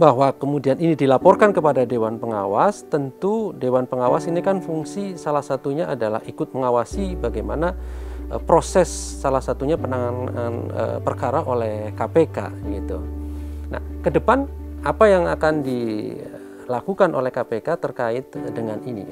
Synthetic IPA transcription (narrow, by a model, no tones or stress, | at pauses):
baɦwakəmudianinidilapɔrkankəpadadewanpəŋa̰wast̪ənt̪udewanpəŋawa̰sinikanfuŋsisalahsat̪uɲaadala̰hikʊt̪̚məŋawasibaɡajmana | pɾosɛsːalahsat̪uɲapənaŋananə̰pərkaɾaʔolɛhkapeka̰ɡit̪ṵna̰hkədəpanapajaŋakandi | lakukanʔolɛhkapekat̪ərkaɪt̪̚dəŋaninḭ